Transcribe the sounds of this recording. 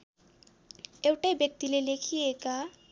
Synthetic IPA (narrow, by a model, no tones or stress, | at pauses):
ewʈajbjʌk̚t̪ilelekʰieka